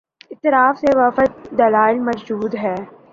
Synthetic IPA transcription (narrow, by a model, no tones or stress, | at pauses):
ɪt̪ːɪɾaːfseʋɐfət̪̚d̪ɐlaːɪlmɐzd͡ʒuːd̪ɦɛː